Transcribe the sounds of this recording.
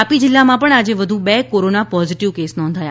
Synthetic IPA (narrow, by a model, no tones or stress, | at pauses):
apid͡ʒɪlːamãpəɳad͡ʒeʋəd̪ʱũbekoɾonapɔziʈiʋkesnɔ̃nd̪ʱaja̰